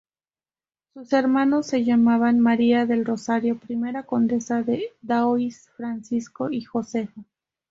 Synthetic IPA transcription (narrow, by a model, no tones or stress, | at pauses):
suse̞ɾmãnosːe̞ʝamaβanmaɾiaðe̞lro̞saɾjo̞pɾime̞ɾako̞nd̪e̞saðeðaoisfɾansisko̞ixo̞se̞fo